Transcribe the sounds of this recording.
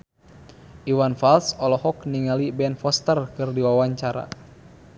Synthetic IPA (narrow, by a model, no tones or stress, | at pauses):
ʔiwanfalsɔlɔhɔk̚niŋalibɛnfɔst̪ərkɨrdiwawaɲt͡ʃaɾa̰